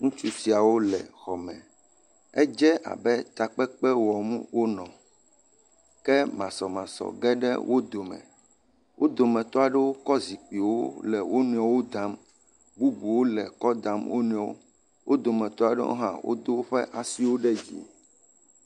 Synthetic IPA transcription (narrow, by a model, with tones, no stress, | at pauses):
ŋũ˦t͡ʃu˦ti˨a˨wo˦lɛ˨xɔ˨mɛ̰̃˨ | ɛ̰˦d͡ʒɛ˦ʔa̰˨bɛ˦t̪a˨k͡pɛ˦k͡pɛ˦wɔ˨mu˦wo˦nɔ̃˨ | kɛ˦mã˨sɔ˨mã˨sɔ̰˨ɡɛ˦ɖɛ̰˦wʔo˦d̪o˨mɛ̰̃˨ | wʔo˦d̪o˨mɛ̃˨t̪ɔ˦a˨ɖɛ˦wo˦kɔ˦zi˨k͡pi˨wo˦lɛ˨wo˦nũ˨ɔ̃˨wo˦d̪a˨˦m | bu˦bu˨wo˦lɛ˨kɔ˦d̪a˨mwo̰˦nũ˨ɔ̃˦wo̰˦ | wʔo˦d̪o˨mɛ̃˨t̪ɔ˦a˨ɖɛ̰˦wo̰˦ɦã̰˦˨wʔo̰˦d̪o˦wo˦ɸɛ̰˦ʔa˨si˦wo˦ɖɛ˦d͡ʑḭ˨